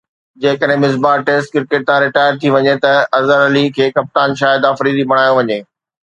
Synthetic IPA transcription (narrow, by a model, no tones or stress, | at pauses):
d͡ʑeːkəɗɦɪ̃mɪsbaːʈeːsʈ̚kɪɾkeːʈ̚t̪ãɾɪʈaːɪəɾt̪ʰiʋɐɲet̪ɐɐzəɾɐlikʰeːkɐp̚t̪aːnʃaːɪd̪aːfɾiːd̪ibʱɐɽ̤̃aːjoʋɐɲeː